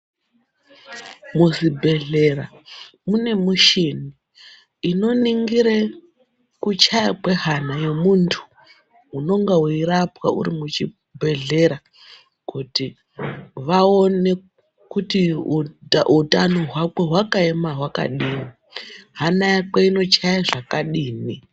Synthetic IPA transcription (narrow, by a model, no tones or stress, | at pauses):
muzibʱe̞ɮe̞ra | mune̞muʃini | ino̞niŋɡiɾe | kut͡ʃajakwe̞ɦanajo̞muntʰu̥ː | no̞ŋɡauiɾapwa̰ṵɾimut͡ʃi | bʱe̞ɮe̞ɾa | kuti | ʋao̞ne̞ | kuti | utanoɦwakwe̞ɦwakaemaɦwaka̰ɗiːni | ɦanajakeino̞t͡ʃajaʐakaɗiːni